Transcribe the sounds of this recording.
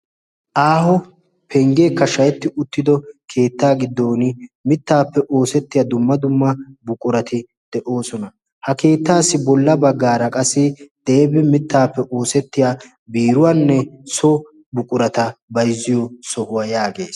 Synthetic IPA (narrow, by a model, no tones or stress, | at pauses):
ʔaːɦɔ | pʰɛŋɡe̞ːkːɐʃɐjɛt̪ːɪʊt̪ːɪd̪ɔkʰe̞ːt̪ːaːɡɪd̪ːo̞ːnɪmɪt̪ːaːpːɛʔoːsɛt̪ːɪjad̪ʊmːɐd̪ʊmːɐbʊkʼʊɾɐt̪ɪ | d̪̥ɛʔo̞ːsɔnɐ | hɐke̞ːt̪ːaːsːɪbɔlːɐbɐɡːaːɾɐkʼɐsːɪd̪̥e̞ːbɪmɪt̪ːaːpːɛʔo̞ːsɛt̪ːɪjaː | biːɾʊwanːɛsɔ | bʊkʼʊɾɐt̪ɐbɐjzːɪjɔsɔhʊwɐjaːɡe̞̰ːs